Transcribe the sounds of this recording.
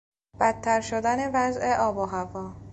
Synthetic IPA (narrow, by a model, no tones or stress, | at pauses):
b̥æt̪ʰːæɾʃod̪æne̞væzʔe̞ʔɒːboɦævɒː